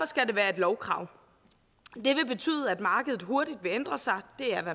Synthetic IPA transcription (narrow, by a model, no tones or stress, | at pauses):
ɒ̽sɡ̥æd̥e̝ʋæːɐe̝d̥lɒʊkʰʁɑ̰̈ʊ̰ | d̥e̝ʋe̝b̥e̝t͡sʰy̰ːðˠəæd̥mɑ̈ːɡ̥əð̞̩ˠɦo̝ɐd̥id̥ʋe̝end̥ʁɐsɑ̈ɪd̥e̝æɐʋæ